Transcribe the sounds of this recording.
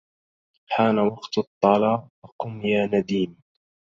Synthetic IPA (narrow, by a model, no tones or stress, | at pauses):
ħaːnawɑqt̪t̪ˤːɑlɑːʔɑqʊmjaːnad̪iːn